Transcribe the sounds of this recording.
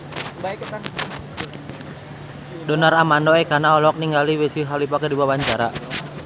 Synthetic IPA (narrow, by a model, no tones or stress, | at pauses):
dɔnaɾamandɔɛkanaɔlɔk̚niŋɡaliwesiɦalipakədiwawaɲt͡ʃaɾa̰